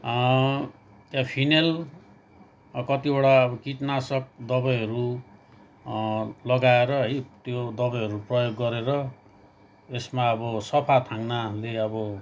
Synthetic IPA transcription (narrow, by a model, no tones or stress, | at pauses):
t̪japʰinel | kʌt̪ibʌɽaʌbʌkitnasʌk̚d̪ʌbʌjɦʌɾu | lʌɡaeɾʌɦʌjt̪jod̪ʌbʌjɦʌɾuprʌjoɡːʌɾeɾʌ | esmaʌbʌsʌpʰat̪ʰaŋnaleʌbʌ